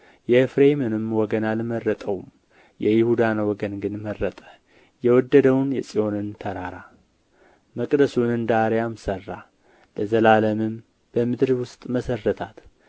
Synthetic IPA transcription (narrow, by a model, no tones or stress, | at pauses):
jɛfɾemonɨmwɔɡənalmərːət̪ʼəwm | jɛjɪhud̪anwɔɡənɡɨnmərːət̪ʼə̥ | jɛwɔd̪ːəd̪əwnjɛsʼio̞nɨnt̪ʰəɾaɾa | məkʼd̪əsunɨnd̪aɾjamsərːa̰ | ləzəlaləmɨm | b̥əmɨd̪ɾwʊst̪ʼməsərːət̪ʰat̪